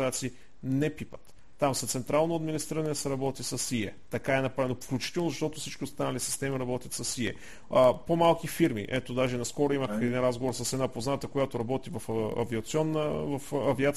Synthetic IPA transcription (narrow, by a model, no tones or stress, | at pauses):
at̪siː | nɛpipət̪ː | amsɐt̪sɛnt̪ɾalˠnoɐd̪minist̪ɾiɾənɛsɛɾɐbɔt̪isɐsiɛt̪ɐkaɛnɐpɾavɛnofklʲut͡ʃi̥t̪ɛlˠnozɐʃt̪ɔt̪ʊfsit͡ʃk̟iost̪anəlʲisi̥st̪ɛmiɾɐbɔt̪ʲjət̪sɐsiɛ̰ | əpomalˠkifiɾmḭʔɛt̪od̪aʒɛnɐskɔɾoiməxɛd̪inɾazɡovoɾsɐsɛd̪napoznat̪əkojat̪oɾɐbɔt̪ivɐfɐ̰viɐt̪siɔnːəvɐfɐviat̪